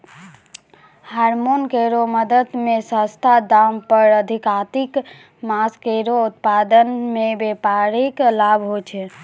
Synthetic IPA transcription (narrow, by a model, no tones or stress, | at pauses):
haɾmonkeɾoməd̪əd̪mesə̃st̪ʰad̪ampəɾəd̪ʱikat̪ik | maskeɾout̪pad̪ənmebepaɾiklabʱɦot͡ʃʰɛ